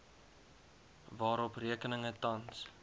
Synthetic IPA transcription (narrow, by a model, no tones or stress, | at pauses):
vɑːɾɔpriəkənəŋətɐns